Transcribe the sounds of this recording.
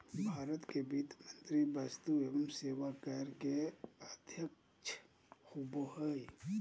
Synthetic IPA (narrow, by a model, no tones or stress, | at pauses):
bʱaːɾət̪kebiːt̪mənt̪ɾibast̪ueːʋəmseːʋakəɾkeəd̪ʱjək | t͡ʃʰ | xuːbohəj